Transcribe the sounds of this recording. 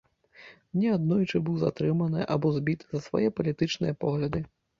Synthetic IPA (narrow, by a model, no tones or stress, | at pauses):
nʲɛad̪nɔjut͡ʂɨbɨwza̰t̪ɾɨmɐnɨʔa̰bɔzʲbʲit̪zɐsva̰jɛpɐlʲit̪ɨt͡ʂnɨ̰jɐpɔɣlʲɐd̪ɨ